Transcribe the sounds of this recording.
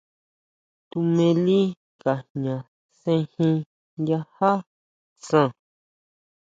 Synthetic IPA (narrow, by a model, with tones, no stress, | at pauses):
t̪u˧mẽ˧li˦ | ka˨ɲã˨ | sẽ˧hĩ˧ | ja˧ha˦ | sã˦˧˨